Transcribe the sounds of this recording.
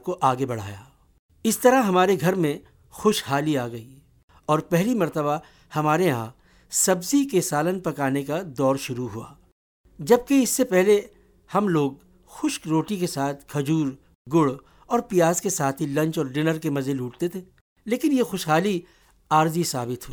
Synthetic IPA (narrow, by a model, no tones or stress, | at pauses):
koʔaːɡebɐɽ̤a̰ːja̰ː | ɪst̪ɐɾaɦɐmaːɾeɡʱɐɾmẽ | xʊʃɦaːliaːɡɐiː | ɔːɾpɛɦlimɐɾt̪əba | hɐmaːɾeɦãː | sɐbzikesaːlənpɐkaːnekad̪ɔːɾʃʊɾuɦua̰ː | d͡ʒɐb̚keɪsːepɛɦle | hɐmloːɡ | xʊʃkɾoːʈikesaːt̪ʰkʰɐd͡ʒuːɾ | ɡʊɽ | ɔːɾpijaːzkesaːt̪ʰilɐ̃ɲt͡ʃɔːɾɖɪnəɾkemɐzeluːʈ̚t̪et̪ʰeː | leːkɪnjexʊʃɦaːli | aːɾzisaːbɪt̪ɦuiː